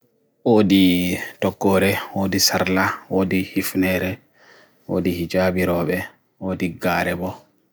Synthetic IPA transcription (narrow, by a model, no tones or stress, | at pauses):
ʔoːditɔɡːɔːɾɛwoːdisaɾlawoːdihifnɛːɾɛ | ʔo̰ːdihid͡ʒaːbiɾɔːɓɛ | oːdiɡaːɾɛbɔ